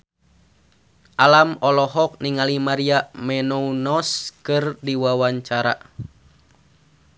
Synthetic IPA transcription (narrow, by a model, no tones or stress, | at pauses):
ʔalamɔlɔɦɔk̚niŋalimaɾiamɛnɔunɔskɨrdiwawaɲt͡ʃaɾa̰